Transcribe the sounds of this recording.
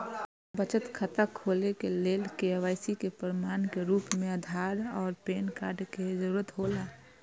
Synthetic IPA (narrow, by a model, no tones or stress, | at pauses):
bət͡ʃət̪kʰət̪akʰoːlekeleːlkeəʋaːjsikepəɾmaːnkeɾuːpmẽəd̪ʱaːɾɔːɾpeːnkaːɾɖkezəɾuːɾət̪ɦoːlaː